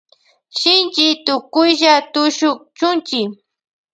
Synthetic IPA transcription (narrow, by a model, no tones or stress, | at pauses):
ʃɪnt͡ʃɪt̪ʊkʊjʒat̪ʊʃʊk̚t͡ʃʊnt͡ʃɪ